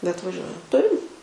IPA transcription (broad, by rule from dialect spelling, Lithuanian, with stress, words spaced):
bʲɛt ʋɐˈʒʲuɔjɛ ˈtʊrʲɪm